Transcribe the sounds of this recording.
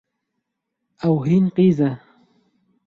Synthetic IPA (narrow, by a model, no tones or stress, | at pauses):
ʔawɦiːnqiːza